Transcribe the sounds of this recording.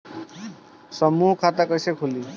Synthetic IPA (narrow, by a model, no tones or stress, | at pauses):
sɔmuɦkʰat̪akɔjsekʰuli